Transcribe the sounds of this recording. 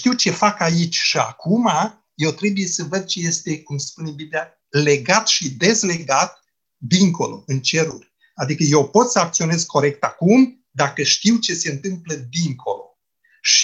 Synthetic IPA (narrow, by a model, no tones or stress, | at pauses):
t̪iwt͡ʃe̞fakait͡ʃʲʃia̰kʰuma | je̞wt̪ɾe̞buje̞səvəd̪̚t͡ʃe̞je̞st̪e̞kumspune̞biblija | le̞ɡat̪ʃid̪e̞zle̞ɡat̪̚ | d̪iŋko̞̰lo̞̰ɨnt͡ʃe̞ɾṵrʲ | ad̪ikəje̞wpo̞t̪səak̚t̪sio̞ne̞zkʰo̞ɾe̞k̚t̪akum | d̪akəʃt̪iwt͡ʃe̞se̞ɨnt̪ɨmpləd̪iŋkʰo̞̰lo̞̰ | ʃi